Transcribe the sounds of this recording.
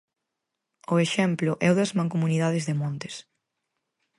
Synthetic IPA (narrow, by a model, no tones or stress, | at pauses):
ʊeʃɛmplʊʔɛʊðɐzmãŋkomuniðað̞ɪzðemõnt̪e̥s